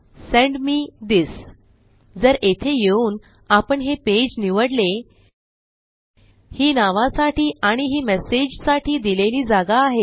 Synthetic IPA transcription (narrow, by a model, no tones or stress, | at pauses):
sẽɳɖmiːd̪is | d͡zəɾʔet̪ʰejeuːn | apəɳɦeped͡ʑniʋəɽle | hiːnaʋãsaʈiːʔaɽ̃iɦiːmɛsed͡ʑsaʈiːd̪ileliːd͡zaɡaːɦe